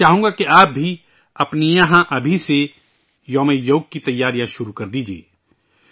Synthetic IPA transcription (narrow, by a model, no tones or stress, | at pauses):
aːɦũːŋɡakeaːp̚bʱi | ɐpnijɐɦãʔɐbʱise | joːmejoːɡ̚kit̪ɐjːaːɾijãʃʊɾukɐɾd̪iːd͡ʒiḛː